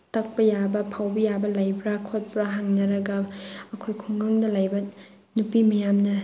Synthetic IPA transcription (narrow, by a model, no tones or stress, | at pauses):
tɐk̚pɐjabɐpʰawbɐjabɐlajbɾakʰot̚pɾaɦaŋnɐɾɐɡɐmɐkʰojkʰuŋɡaŋdɐlajbɐ | nupimɐjamnɐ